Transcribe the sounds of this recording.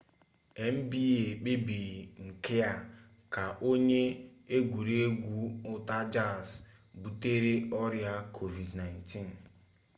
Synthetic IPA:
e˨m̩˦bi˦e˨k͡pe˦bi˨ŋ̩˨kɪ˦a˦ | ka˨ʔo˦ɲe˦e˦ɡʷu˨ɾe˦e˦ɡʷu˦ʊ˦ta˦d͡ʒa˦˨s | bu˨te˦ɾe˦ɔ˦ɾja˦kʰo˨vi˨dna˨ɪnti˦˨n˨

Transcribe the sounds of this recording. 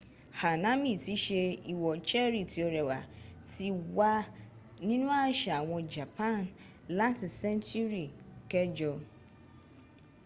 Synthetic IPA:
ha˨nã˦mĩ˨ti˦ʃe˦i˨wɔ˨t͡ʃɛ˦ɾi˨ti˨o˨ɾɛ˨wa̰˨ti˨wa˦ | nĩ˦nũ˦a˦ʃa˨w̃ɔ̃˧d͡ʒa˨pʰã˦˨n | la˦tsɛ̃˦nt͡ʃu˦ɾi˨kɛ˦d͡ʒɔ˨

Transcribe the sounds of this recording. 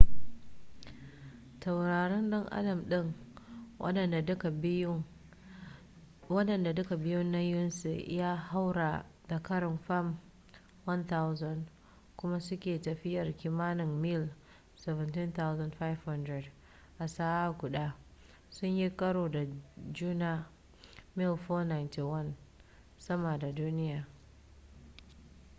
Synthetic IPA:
ta˨wɾaː˨ɽɛ˦nɗɔ˦ŋʔa̰˦dɐ˨mɗɪ˦ŋ˦ | ɗɐ˨da˨˦ka˨˦ | wɐ˦ɗɐ˨nda˨dʊ˦ka˨bɪ˦jʊ˦nːa˦jʊ˦nsṵ˨ʔɪ̰˦jaː˦ha˦wɾaː˨d̥a˨kɐ˦ɾɪ˨nɸa˦˨m | wɐ˦nta˦wzɐ˦˨nd | kʷʊ˦ma˦sʊ˦kʲeː˨tɐ˨ɸɪ˦jɐ˨rkʲiː˦maː˦nɪ˨ŋmɪ˦˨l | sɛ˨vɛ˨ntɪ˦nt̪a˦wzɐ˦ndɸa˦jvhɐ˦ndɾɛ˨d | ʔa˨saː˦ʔa˦kʷʊ˨ɗaː˦ | sʊ˦ɲji˦kʼɐ˦ɽoː˨da˨d͡ʒuː˦naː˦ | mɪ˦˨lfoː˦na˨jnti˨wɐ˦n | sɐ˦maː˨da˨duː˦nɪ˦jaː˨

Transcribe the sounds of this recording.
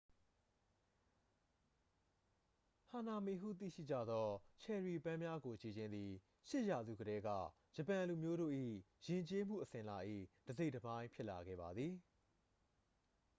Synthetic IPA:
hã˨na˨me˨ɦṵ˦˨t̪̬ḭ˦˨ʃḭ˦˨d͡ʑä̰˦˨d̪ɔ˦t͡ɕʰɛ˨ɹi˨pã˦mja˦ɡo˨t͡ɕe˨d͡ʑɪ̃˦nd̪ði˨ | ʃɪ˦ʔja˨zṵ˦˨ɡəɾɛ˦ɡä̰˦˨ | d͡ʑə˨pã˨lu˨mjo˦ɾo̰˦˨ʔḭ˦˨ | jɪ̃˨ɲt͡ɕe˦m̥ṵ˦˨ʔəsɪ̃˨la˨ʔḭ˦˨d̥əze˦ɪʔtəbã˦ɪ̃mpʰjɪ˦ʔla˨ɡɛ̰˦˨ba˨d̪ði˨

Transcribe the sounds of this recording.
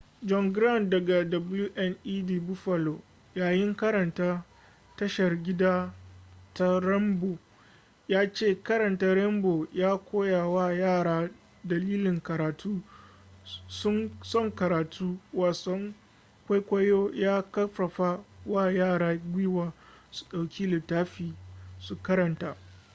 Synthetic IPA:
d͡ʒɔ˦ŋɡɾa˦˨ndɐ˨ɡa˨dɐ˨blju˦ʔɛ˦nʔiː˦diː˦˨bʊ˦ɸɐ˨lo˨ | jaː˨jɪ˦ŋkɐ˦ɾɐ˨ntaː˦ | tɐ˦ʃɐ˨rɡʲɪ˦daː˦ | ta˦ɾɛ˦mbo˨ | jaː˦t͡ʃeː˦˨kɐ˦ɾɐ˨nta˦ɾɛ˦mboː˨jaː˦kʷoː˦ja˨wa˦˨jaː˦˨ɽaː˦ | dɐ˨liː˦lɪ˨ŋkɐ˨ɾaː˨tʰuː˦ | sʊ˦ŋsɔ˦˨ŋkɐ˨ɾaː˨tʰuː˦waː˨sɔ˦ŋ | kʷa˦kʷa˦joː˦jaː˦kɐ˦ɸɐ˨ɸa˦wa˦˨jaː˦˨ɾaː˦ɡʷiː˦waː˨su̥˨ɗa˨wkʲʰiː˦lɪ˨tːaː˦ɸiː˨su˨kɐ˦ɾɐ˨nta˦

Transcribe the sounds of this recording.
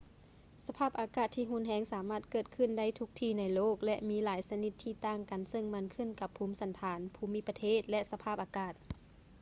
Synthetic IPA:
sa˧pʰaː˥˩p̚ʔaː˧˩kaː˧˩t̪ʰːiː˧˩ɦu˧˥˨nɦɛː˨˦ŋsaː˩˦maː˧˩t̪̚kɤː˧˩t̪̚kʰɯ˧˨nda˥˩jt̪ʰu˧k̚t̪ʰiː˧˩na˧˥˩jloː˥˩k̚lɛ˧ʔmiː˧˥laː˨˦jsa˧ni˧˩t̪ʰːiː˧˩t̪aː˧˩ŋka˨˩nsɤ˧˨ŋma˧˥˨nkʰɯ˧˥˨nka˧˦pʰːuː˧˥msa˨˦nt̪ʰaː˩˦npʰuː˧˩mi˧˥˨pːa˧t̪ʰeː˧˥˩t̪̚lɛ˧ʔsa˧pʰaː˧˩p̚ʔaː˨˧kaː˧˩t̪̚

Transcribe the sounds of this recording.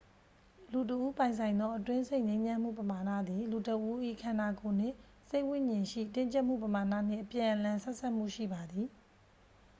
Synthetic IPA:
lu˨t̬əʔu˦pã˨ɪ̃nsʰã˨ɪ̃nd̪ɔ˦ʔətwɪ̃˦se˦ɪʔɲẽ˦ɪ̃ɲã˦m̥ṵ˦˨pəma˨na̰˦˨d̪i˨lu˨tə˨ʔu˦ʔḭ˦˨kʰã˨na˨ko˨n̥ɪ̰̃˦˨ | se˦ɪʔwɪ̃˦˨ɲɪ̃˨ʃḭ˦˨tɪ̃˦ɲt͡ɕɛ˦ʔm̥ṵ˦˨pəma˨na̰˦˨n̥ɪ̰̃˦˨ʔəpjã˨ʔəlã˨sɛ˦ʔsʰa˦˨m̥ṵ˦˨ʃḭ˦˨ba˨d̪i˨

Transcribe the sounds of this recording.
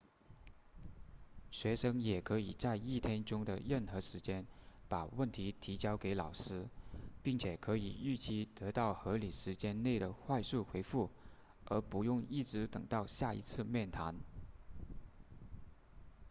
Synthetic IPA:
ɕɥɛ˧˥ʂɤ˥ŋjɛ˨˩kʰɤ˧˥i˨˩t͡sa˥˧ɪi˥˩t̪ʰjɛ˥nʈ͡ʂʊ˥ŋd̪ə̰˨ɻə˥˩nxɤ˧˥ʂɻ̩˧˥t͡ɕjɛ˥npa˨˩wə˥˩nt̪ʰi˧˥t̪ʰi˧˥t͡ɕjɑ˥ʊke˧˥ɪlɑ˨˩ʊʂɻ̩˥pi˥˩ŋt͡ɕʰjɛ˨˩kʰɤ˧˥i˨˩y˥˩t͡ɕi˥˩t̪ɤ˧˥t̪ɑ˥˩ʊxɤ˧˥li˨˩ʂɻ̩˧˥t͡ɕjɛ˥nne˥˩ɪd̪ə˩xwa˥˧ɪsu˥˩xwe˧˥ɪfu˥˩ | ə˞˧˥pu˧˥jʊ˥˧ŋi˥˩ʈ͡ʂɻ̩˧˥t̪ɤ˨˩ŋt̪ɑ˥˧ʊɕja˥˩ḭ˧˥t͡sʰɹ̩˥˧mjɛ˥˩nt̪ʰa̰˧˥n

